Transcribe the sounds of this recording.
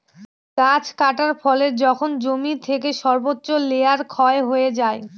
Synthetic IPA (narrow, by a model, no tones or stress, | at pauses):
kat͡ɕʰkaʈaɾfɔleɾd͡ʑɔkʰond͡ʑomit̪ʰek̬eʃɔɾbotːɕoleaɾkʰɔeɦoed͡ʑae